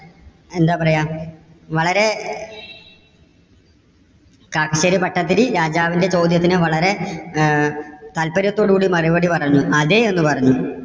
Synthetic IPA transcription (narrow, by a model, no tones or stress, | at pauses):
e̞nd̪aːpɐrɐjaːm | ʋɐɭɐɾe̞ | kaːkɐɕɐɾipɐʈːɐt̪̬ːiliɾaːd͡ʑaːʋinde̞t͡ɕo̞ːd̪jɐt̪̬ːinɨʋɐɭɐɾe̞ | t̪ɐlpɐɾjɐt̪ːo̞ːɽɨkuːɽimɐriʋɐɽipɐrɐɲːuʔɐðeenːɨpɐrɐɲːu